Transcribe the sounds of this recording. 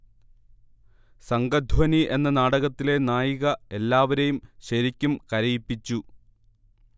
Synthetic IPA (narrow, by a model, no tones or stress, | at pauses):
sɐŋɡɐd̪ʱwɐniʔe̞nːɐnaːɽɐɣɐt̪ːile̞naːjiɣɐe̞lːaːʋɐɾejumɕɐɾikʲːumkɐɾɐjipːit͡ɕːu